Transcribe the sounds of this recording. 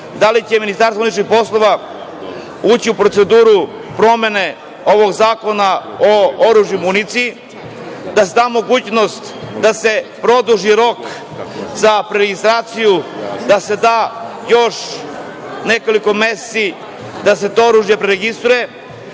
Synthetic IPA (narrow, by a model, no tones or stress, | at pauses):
d̪alit͡ɕe̞minist̪aɾsaunit͡ʃnixpo̞slˠo̞ʋa | uːt͡ɕiupɾot̪e̞d̪uːɾu | pɾo̞me̞ne̞ | oʋo̞ɡzaːko̞naooɾuːʒjimunit̪si | d̪ase̞d̪aːmo̞ɡuːt͡ɕno̞st̪d̪ase̞pɾo̞d̪uʒiɾo̞k | zapɾeɾeɡist̪ɾaːt̪sijud̪ase̞d̪aːjo̞ʃ | ne̞ko̞liko̞mese̥si | d̪ase̞t̪oːoɾuːʒjepɾeɾeɡist̪ɾuje